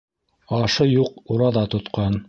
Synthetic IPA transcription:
ɑʃɤjuq̚uɾɑðɑt̪ŏt̪qɑn

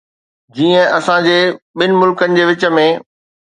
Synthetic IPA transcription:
d͡ʑiːə̃ʔɐsãd͡ʑeːɓɪnɪ̆mʊlkənɪ̆d͡ʑeːʋɪt͡ɕə̆mẽ

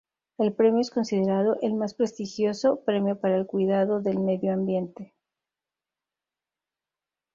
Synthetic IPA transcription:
e̞lpɾe̞mjoe̞sko̞nsið̞e̞ɾað̞o̞ʔelmaspɾe̞st̪ixjo̞so̞pɾe̞mjopaɾaelkwiðaðo̞ðe̞lme̞ðjoambje̞nt̪e̞

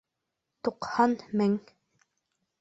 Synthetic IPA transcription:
t̪uqhɑnmɘŋ

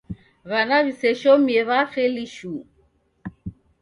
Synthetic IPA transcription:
ɣanaβisɛʃɔmiɛβaχɛliʃu

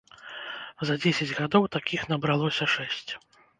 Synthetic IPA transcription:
zɐd͡zʲesʲɐd͡zʲɣad̪ɔwt̪akʲixnɐbɾalˠɔsʲɐʂɛsʲt͡sʲ

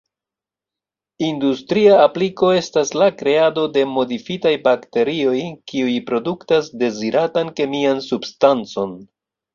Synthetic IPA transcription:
industɾiaːpliko̞e̞staslakɾe̞ado̞de̞mo̞difitajbakte̞ɾio̞jkiujpɾo̞duktasde̞ziɾatanke̞miansubstant͡so̞n

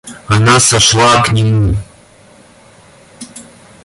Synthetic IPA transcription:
anasaʂlaːkʰnʲimu

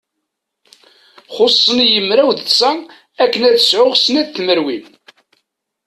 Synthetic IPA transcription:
χosˤːənjəmːɾæwðθsæ | ækːənæt͡sə̥sʕʊʁsənæðθməɾwim

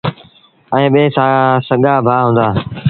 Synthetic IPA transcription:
ɛ̃ːɓeːsãːsəɠaːbʱaːɦũːnd̪aː

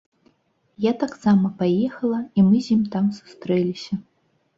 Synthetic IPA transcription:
jat̪aksamɐpajɛxɐlˠɐimɨzʲimt̪amsu̥st̪ɾɛlʲisʲɐ

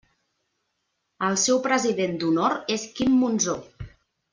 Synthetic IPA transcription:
əlˠsɛwpɾəziðend̪unoɾeskimːunzo

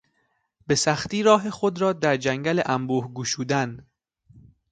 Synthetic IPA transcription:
be̞sæxt̪iːɾɒːɦe̞xod̪ɾɒːd̪æɾd͡ʒæŋɡæleʔæmbuːhɡuːʃuːd̪æn

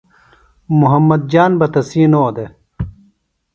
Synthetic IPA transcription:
muɦɐmːɐd̪̚d͡ʑaːnbɐt̪ɐsiːnoːd̪e

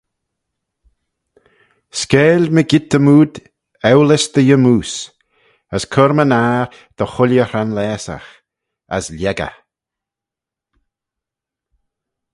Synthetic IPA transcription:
skɛːlʲməɡɪt̪̚əmuːd̪ | ɛwlɪsd̪̥əjəmuːs | əskʰʊɾmənaːɾ | d̪̥əxʊljəhɹanlɛːsa̰x | ə̰sljɛɡə̰

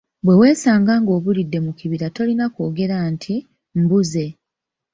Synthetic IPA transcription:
bwe̞we̞ːsaːŋɡaːŋɡo̞ːβulidːe̞mukiβiɾato̞linako̞ːɡe̞ɾantʰi | m̩buze̞

